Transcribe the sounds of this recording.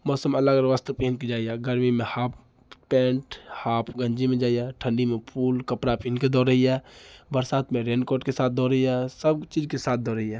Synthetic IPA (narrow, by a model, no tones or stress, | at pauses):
mɔːsəmɐləɡələʋast̪ʰəpinked͡ʒaːijɛɡəɾmimẽhaːpʰ | pɛ̃ːɳʈhaːpʰɡəɲd͡ʒimẽd͡ʒaːijɛʈʰə̃ɳɖimẽpʰuːlkəpɽapinked̪ɔːɾəɦiɛːbəɾsaːt̪ʰmẽɾẽːɳɖkoːɾʈkesaːt̪̚ʰd̪ɔːɾəɦiɛsəbt͡ʃiːd͡ʒkesaːt̪̚ʰd̪ɔːɾəɦiɦɛː